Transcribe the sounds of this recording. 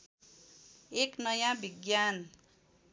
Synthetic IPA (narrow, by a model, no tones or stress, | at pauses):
eknʌjãbʱiɡjan